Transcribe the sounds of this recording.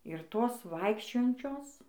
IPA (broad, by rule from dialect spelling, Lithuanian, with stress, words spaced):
ɪr ˈtoːs ˈʋɐɪkʃʲt͡ʃʲoːjɛnʲt͡ʃʲoːs